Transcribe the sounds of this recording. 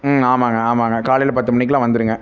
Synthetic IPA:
aːmaːŋɡɐaːmaːŋɡɐkaːlɛjlɐpɐt̪ːɯmɐɳːɪk̬ːlãːʋɐnd̪ɯɾɯŋɡɐ

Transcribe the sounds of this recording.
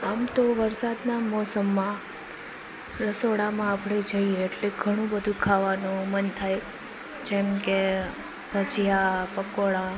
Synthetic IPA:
amt̪oʋəɾsad̪namɔsəmːã | ɾəsoɽamãapɽed͡ʒəieːʈleɡʱəɽ̃ũbəd̪ʱũkʰaʋanũmənt̪ʰaj | d͡ʒɛmke | bʱəd͡ʒijapəkoɭa

